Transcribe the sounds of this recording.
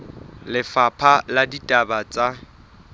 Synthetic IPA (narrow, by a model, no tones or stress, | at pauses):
lɪfapʰaladitʼabat͡sʼa